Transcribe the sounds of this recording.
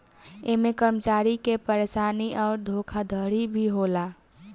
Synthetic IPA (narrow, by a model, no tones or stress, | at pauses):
emekəɾmət͡ʃaɾikepəɾesaniʔɔːɾd̪ʱokʰad̪ʱəɾibʱiɦola